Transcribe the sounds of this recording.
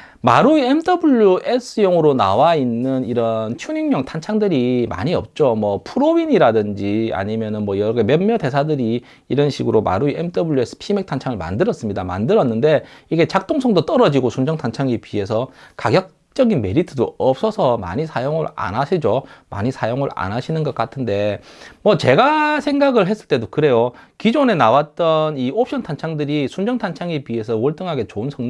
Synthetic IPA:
ma̰ɾuiemdʌbuʎːjuʔe̞s͈ʰɯjoŋɯɾonawainːɯniɾʌnt͡ɕʰuɲiŋmjʌŋtʰant͡ɕʰaŋdɯɾima̰ɲiʌ̰p̚t͡ɕ͈omwʌpʰuɾoiɲiɾadɯnd͡ʑia̰ɲimjʌnɯnmwʌjʌɾʌɡemenmjʌde̞sʰadɯɾiː | ɾʌnɕʰiɡɯɾoma̰ɾuiemdʌbuɭːjuesʰɯ̥pʰime̞k̚tʰant͡ɕʰaŋɯɭma̰ndɯɾʌts͈ɯmɲidama̰ndɯɾʌnːɯnde̞iɡe̞t͡ɕak̚t͈oŋsʰʌŋdot͈ʌɾʌd͡ʑiɡosʰund͡ʑʌŋtʰant͡ɕʰaŋipiɦe̞sʰʌkaɡjʌk̚ | t͡ɕ͈ʌɡinme̞ɾitʰɯdoʌp̚s͈ʌsʰʌma̰ɲisʰajoŋɯɾa̰naɕʰid͡ʑoma̰ɲisʰajoŋɯɭa̰nɦaɕʰinɯnɡʌk͈atʰɯnde̞mʌt͡ɕe̞ɡasʰe̞ŋɡaɡɯɭɦe̞s͈ɯ̥ɭt͈e̞dokɯɾe̞jokid͡ʑone̞nawat̚t͈ʌniop̚ɕʰʌntʰant͡ɕʰaŋdɯɾisʰund͡ʑʌŋtʰant͡ɕʰaŋipɥie̞sʰʌwʌɭt͈ɯŋɦaɡe̞t͡ɕoɯnsʰʌŋ

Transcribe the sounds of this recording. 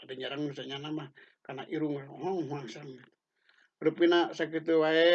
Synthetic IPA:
daɲaɾaŋnusaɲanama | kana̰ʔiɾuŋaɦɔŋɦuaŋsanit̪u̥ | ɾupinasak̬it̪uwae

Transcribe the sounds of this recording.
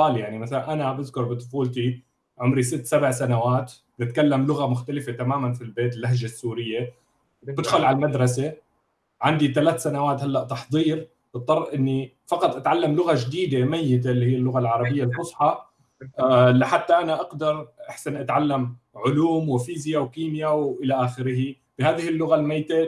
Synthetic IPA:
aːljaʕnimaθalanʔanabɪðkʊɾˤbɨt̪ˤʊ̥fuːlt̪i | ʕʊmɾisɪt̪ːsabʕsanawaːt̪ | bnɪt̪kalːamlʊɣamʊxt̪alɪfet̪amaːmanfilbeːt̪ɪlːahʒasːuːɾɪjːe | bɪd̪xʊlʕalmad̪ɾˤɑse | ʕand̪it̪alaːt̪sanawaːt̪halːaʔt̪ɑħd̪ˤiːɾ | bɨt̪ˤːɑrˤʔʔɪnːi | fɑqɑt̪ˤʔat̪ʕalːamlʊɣaʒd̪iːd̪emajːɪt̪̬elːihiːalːʊɣalʕɑɾˤɑbɪjːalʔʊsˤħɑ | lɪħat̪ːaʔanaʔɑɡd̪ɑɾˤʔaħsanʔat̪ʕalːam | ʕʊluːmwɪfiːzjawkiːmjawʔɪlaʔaːxɪɾɪɦi | b̥ɪhaːðɪhɪlːʊɣalmajːt̪e

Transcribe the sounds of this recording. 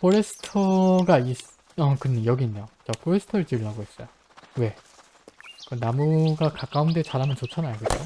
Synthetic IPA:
pʰoɾe̞sʰɯ̥tʰʌɡais | ʌkɯnejʌɡiːnːejot͡ɕapʰoɾesʰɯ̥tʰʌɾɯɭt͡ɕɯɭːaɡoes͈ʌjo | we̞ | kɯnamuɡakak͈aunde̞t͡ɕaɾɦamɯnt͡ɕot͡ɕʰʌnajɡed͡ʑo

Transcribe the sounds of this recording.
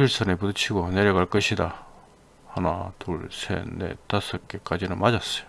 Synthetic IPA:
uɭs͈ʌnepudɯt͡ɕʰiɡone̞ɾjʌɡaɭk͈ʌɕʰida | hana̰toɭsʰḛnḛt͈as͈ʌk͈ek͈ad͡ʑinɯnmad͡ʑas͈ʌjo

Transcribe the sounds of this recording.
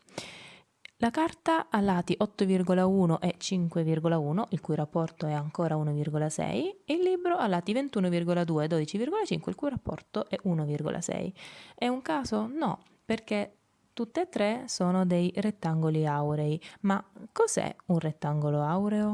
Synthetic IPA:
lakart̪aʔalːaːt̪iʔɔt̪ːovirɡolauːnoʔɛt͡ʃiŋkwevirɡolauːnoʔilkujrapːɔrt̪oɛaŋkoːɾaunovirɡolasɛ̰jeilːibɾoalːaːt̪ivent̪uːnovirɡolad̪uːed̪od̪it͡ʃivirɡolat͡ʃḭŋkweilkujrapːɔ̰rt̪oʔɛʔunovirɡo̰lʔa̰sɛ̰jɛuŋkaːzonɔ̰ | perke | t̪ut̪ːeːt̪ːɾesoːnod̪ejret̪ːaŋɡoliawɾeimakːozɛ̰unret̪ːaŋɡoloawɾeo

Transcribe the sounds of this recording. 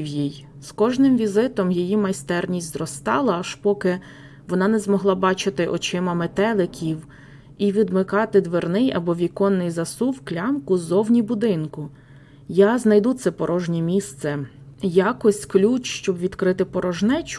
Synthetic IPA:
wjij | skɔʒnɪmʋʲizɪt̪ɔmjijimɐjst̪ɛrnʲisʲtʲzrɔst̪ɑlˠɐːʃpɔkɪ | ʋɔnɑnɛzmɔɦlˠɑbɑt͡ʃɪt̪ɪʔɔt͡ʃɪmɐmet̪ɛlˠɪkʲiw | iʋʲid̪mɪkɑt̪ɪd̪ʋernɪjɐ̰bɔʋʲikɔnːɪjzɐsuwklʲɑmkʊzɔwnʲibʊd̪ɪnkʊ | jaznɐjd̪ut̪sɛpɔɾʔɔʒnʲimʲist̪sɛ | jɑkɔsʲklʲut͡ʃʃt͡ʃɔbʋʲid̪kɾɪt̪ɪpɔɾɔʒnɛt͡ʃ

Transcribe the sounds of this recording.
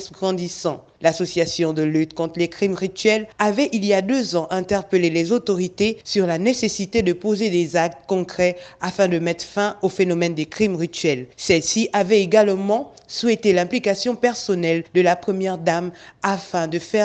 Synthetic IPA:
sɡʁɑ̃d̪isɑ̃ | lasɔsjasjɔ̃d̪əlyt̪kɔ̃t̪χəlekχimʁit̪ɥɛlavɛʔiljad̪øzɑ̃ʔɛ̃t̪ɛʁpəlelezot̪ɔʁit̪esyʁlanesesit̪ed̪əpozed̪ezak̚t̪kɔ̃kχɛafɛ̃d̪əmɛt̪χfɛ̃ofenɔmɛnd̪ekχimʁit̪ɥɛlsɛlsiʔavɛeɡalmɑ̃ | swɛt̪elɛ̃plikasjɔ̃pɛʁsɔnɛld̪əlapχəmjɛʁd̪amafɛ̃d̪əfɛ

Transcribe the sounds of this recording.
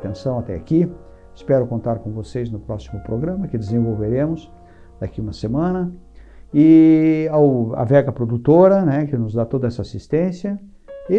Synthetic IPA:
t̪ẽsɐ̃w̃at̪ɛ̰aki | ɪspɛɾʊkõnt̪aɾkõvosejznʊpɾɔsimʊpɾoɡɾɐ̃mɐkɪd̪ezẽvowveɾẽmʊs | d̪̥akiũmɐsemɐ̃nɐ | ɪawa̰vɛɡɐpɾod̪ut̪oɾɐnɛkɪnʊzd̪at̪od̪ɐɛsɐasist̪ẽsjɐ | ɪ

